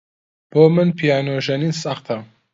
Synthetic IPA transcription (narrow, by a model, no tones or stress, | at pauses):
b̥omənpʰijanoʒɛninsaχt̪ʰa